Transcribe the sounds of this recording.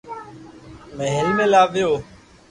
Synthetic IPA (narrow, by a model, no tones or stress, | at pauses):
meɦɪɾiːmẽːlaːʋɪjoː